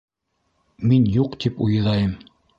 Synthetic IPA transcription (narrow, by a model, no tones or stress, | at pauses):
minjuqt̪ipṵjɤ̆ðɑjɤm